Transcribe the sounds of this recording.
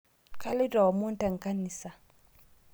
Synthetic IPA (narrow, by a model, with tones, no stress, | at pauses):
ka˦lɪ˦dɔ˨mu˦n˦ta˨ŋ˨ka˦ni˨sa˨